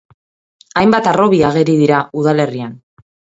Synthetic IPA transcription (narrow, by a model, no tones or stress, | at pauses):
ajmbat̪aro̞βiaɣ̞e̞ɾiðiɾauðale̞rian